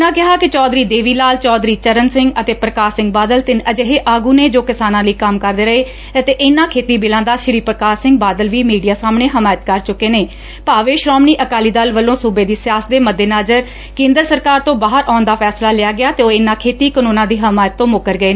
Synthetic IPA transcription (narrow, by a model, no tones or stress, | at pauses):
nãːkɪɦaːkɪt͡ʃɔːd̪ɾiːd̪eːʋiːlaːlt͡ʃɔːd̪ɾiːt͡ʃəɾənsɪ̃ŋɡət̪eːpɾəkaːɾsɪ̃ŋɡ̚baːd̪əlt̪ɪnəd͡ʒeɦeːʔaːɡuːneːd͡ʒoːkɪsaːnãːləiːkəmkəɾd̪eːɾəɦeː | ət̪eːʔɪnːãːkʰeːt̪iːbɪlãːd̪aːʃɪɾiːpɾəkaːsɪ̃ŋɡ̚baːd̪əlʋiːmiːɖijaːsaːmɳeːɦəmaːjət̪kəɾt͡ʃʊkːeːneː | paːʋeːʃɾɔːmniːʔəkaːliːd̪əlʋəlːõːsuːbeːd̪iːsɪjaːsd̪eːməd̪ːeːnaːd͡ʒəɾ | kẽːnd̪əɾsəɾkaːɾt̪õːbaːɦəɾʔaːnd̪aːpʰɛːslaːlɪjaːɡɪjaːt̪eoːɪnːãːkʰeːt̪iːkənũːnãːd̪iːɦəmaːjət̪ːõːmʊkəɾɡəeː